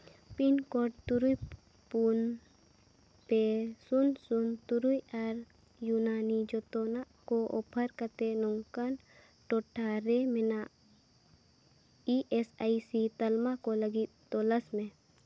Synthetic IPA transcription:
pinkoɖ̚t̪uɾuj | pun | pesunsunt̪uɾujaɾ | junaːnid͡ʒot̪onaʔkoʔo̰pʰəɾkət̪enuŋkan | ʈoʈʰːaɾemina | iʔesaisit̪ɐlmakoləɡi | t̪oːləsmẽ

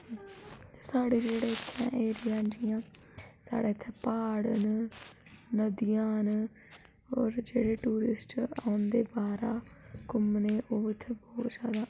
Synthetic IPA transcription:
saːɽeːd͡ʒeːɽeːɪt̪ʰːã̰ːʔeːɾɪjãːnd͡ʒɪjãː | sa̰ːɽaːɪt̪ʰːẽːpaːɽən | nəd̪ɪjãːn | ɔːɾd͡ʒeːɽeːʈuːɾɪsʈaːʊnd̪eːbaːɾaːkʊmneːʔoːɪt̪ʰːebɔːt̪zjaːd̪aː

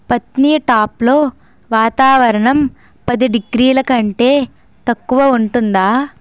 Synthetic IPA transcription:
pɐt̪niːjɐʈaːplo̞ː | ʋaːt̪aːʋɐɾɐɳɐm | pɐd̪iɖiɡɾiːlɐkɐɳʈe̞ː | t̪ɐkːuʋɐuɳʈund̪aː

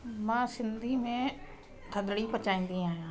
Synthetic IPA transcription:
mãːsɪnd̪iːmẽː | t̪ʰəd̪ɽiːpət͡ʃaːĩːn̆d̪iaːɦjãː

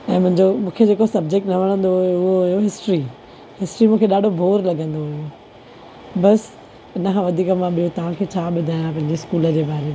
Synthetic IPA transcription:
ɛ̃ːmʊ̃ɦɪ̃ɲd͡ʑomũːkʰed͡ʑeːkosɐb̚d͡ʑek̚ʈnɐʋɐɽ̃ə̃nd̪ojoʊɦoɦʊjoɦɪsʈɾi | ɦɪsʈɾimũːkʰeɗaːɖʱobʱoːɾlɐɡə̃nd̪oɦʊjo | bɐs | ɪnəkʰãʋɐd̪ʱiːkəmãɓijot̪ɐʋ̤ãkʰeːt͡ɕʰaːɓɪd̪ʱaːjãpɐ̃ɦɪ̃ɲd͡ʑeɪskuːləd͡ʑeːbaːɾe

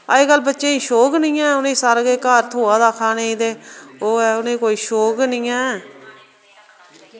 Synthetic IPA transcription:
a̰ːeːkəlːbətːʃẽːĩːʃoːknĩːɛːʊnẽːsaːɾɡeːkaːɾt̪ʰoːaːd̪aːkʰaːneːiːd̪eːoːɛːʊnẽːkoːiːʃoːknĩːɛː

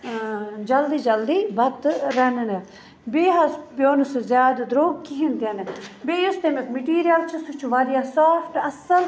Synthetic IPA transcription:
d͡ʒɐld̪iːd͡ʒɐld̪iːʋɐt̪ɾɛnne | beːɦɐsbjoːnʊszjaːd̪d̪ɾoːɡkiɦɪ̃nd̪janebeːjʊst̪emekmeʈiːɾijəlt͡ʃʰəsut͡ʃʰuʋaːd̪ijaːsaːpʰʈɐsəl

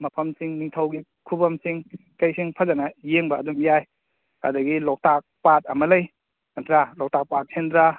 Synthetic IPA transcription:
mɐpʰɐmsiŋniŋtʰɐwɡi | kʰubɐmsiŋkɐjsiŋpʰɐzanɐjeŋbɐːdumjaj | a̰dɐɡilɔk̚tak̚pat̚ɐmɐlɐj | nantɾalɔk̚tak̚pat̚sʰendɾa

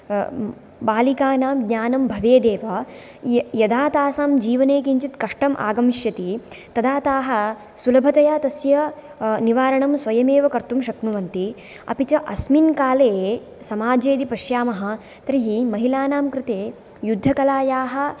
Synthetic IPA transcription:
baːlikaːnaːmɡɲaːnɐmbʱɐʋeːd̪eːʋɐ | jɐd̪ʱaːt̪aːsaːmd͡ʒiːʋɐneːkiɲt͡ʃit̪kɐʂʈɐmʔa̰ːɡɐmiʃjɐt̪i | t̪ɐd̪aːt̪aːɦɐ̆ | sulɐbʱɐt̪ɐjaːt̪ɐsjɐ | niʋaːɾɐɳɐmsʋɐjɐmeːʋɐkɐɾt̪umʃɐknuʋɐnt̪i | ɐ̰pit͡ʃɐʔɐsminkaːleː | sɐmaːd͡ʒeːd̪ipɐʃjaːmɐɦɐ̆ | t̪ɾiɦimɐɦilaːnaːmkɾɪt̪eː | jud̪ʱːɐkɐlaːjaːɦɐ̆

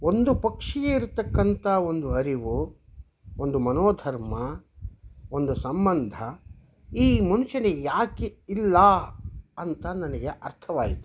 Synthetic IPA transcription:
o̞nd̪upɐkʂijeiɾut̪ːɐkːɐnt̪ɐo̞nd̪uɐɾiʋu | ond̪umɐnoːd̪ʱɐɾmɐ | ond̪usɐmbɐnd̪ʱɐ | iːmɐnuʂɐnejaːkeilːɐ | ɐnt̪ɐnɐnɐɡeʔɐɾt̪ʰɐʋaːɡit̪ːu̥

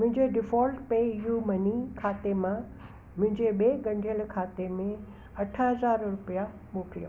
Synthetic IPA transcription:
mʊ̃ɦɪ̃ɲd͡ʑeɖɪfɔːlʈpeːɪjumɐnikʰaːt̪emã | mʊ̃ɦɪ̃ɲd͡ʑeɓeːɡɐ̃ɳɖʱijəlkʰaːt̪emẽ | ɐʈʰəɦɐzaːɾɾʊpija | ɓoːkɾijo

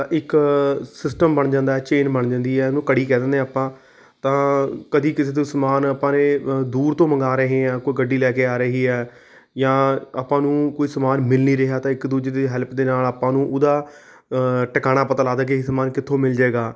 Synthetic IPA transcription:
ʔɪksɪsʈəmbəɳd͡ʒãːnd̪aːɛːt͡ʃeːnbəɳd͡ʒãːnd̪iːɛːnõːkəɽiːkɛːd̪ə̃nd̪ẽaːpãː | t̪ãːkəd̪iːkɪseːd̪õsəmaːnəpãːnẽːd̪uːɾt̪õːməŋɡaːɾəɦẽːãːkoːiːɡəɖːiːlɛːkeːaːɾəɦiːɛː | jãːaːpãːnũːkoːiːsəmaːnmɪlniːɾɪɦaːt̪ãːɪkd̪uːd͡ʒd̪eːɦɛːlpd̪eːnaːlaːpãːnũːʔʊd̪aː | ʈəkaːɽ̃aːpət̪aːlaːd̪aːkesəmaːnkɪt̪ʰːõːmɪld͡ʒaeːɡaː

